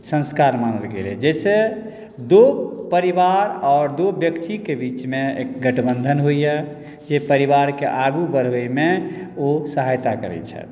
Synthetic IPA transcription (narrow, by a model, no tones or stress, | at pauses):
sə̃nskaɾmanəlɡḛlɛ̰d͡ʒɛse | d̪opəɾibaɾɔːɾd̪objəkt̪ikebit͡ʃmeḛkɡəʈbənd̪ʱənɦoijɛ | d͡ʒepəɾiβaɾkeʔaɡubəɾəjmeosəɦajt̪akəɾɛ̰t͡ʃʰɛ̰